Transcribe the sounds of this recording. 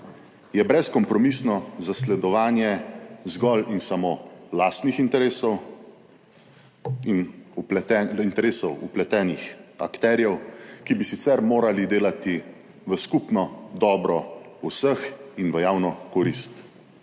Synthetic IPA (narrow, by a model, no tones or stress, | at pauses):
jɛbɾɛskɔmpɾɔmisnɔzaslɛd̪ɔʋaːnjɛzɡɔlinsamoːlaːst̪nixint̪ɛɾeːsɔw | inup̪ɛint̪ɛɾeːsɔwuplɛt̪ɛːnixa̰kt̪ɛːɾjɛwkibisit̪sɛɾmoːɾalid̪eːlat̪i | ʋəskupnɔd̪ɔːbɾɔusəxinʋəjaːwnɔkɔɾist̪